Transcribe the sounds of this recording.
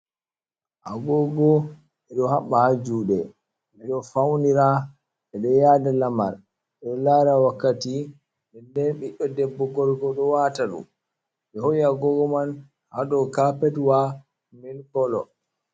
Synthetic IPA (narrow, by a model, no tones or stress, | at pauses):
ʔa̰ɡɔɡɔ | ɛɗɔhaɓːahad͡ʒuːɗɛ | ɛɗɔfawniɾa | ɛɗɔjadalama̰ɾ | ɗɛlaɾawakːati | ɓɛndɛnɓɛʔɔdɛbːɔɡɔɾɡɔɗɔwataɗṵ | ɓɛhɔjiaɡɔɡɔman | haɗɔkapɛtwa | milkɔlɔ̰